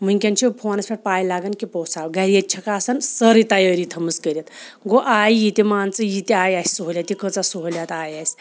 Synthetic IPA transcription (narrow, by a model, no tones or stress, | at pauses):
m̤əŋkʲãnt͡ɕʰipʰonɐspʲeʈ̚pajlaɡankipɔwsawɡʱaɾjett͡ɕʰɐkasənsəɾət̪əjaɾiːt̪ʰəməskəɾʲet̪ɡoʔajjit̪imant͡səjit̪eajajssuɦlʲjat̪ikət͡sasuɦlʲjat̪ajajs